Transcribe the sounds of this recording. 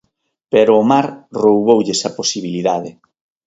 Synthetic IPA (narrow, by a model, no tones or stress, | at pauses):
peɾʊːmaɾrowβowʎesɐposiβiliðaðɪ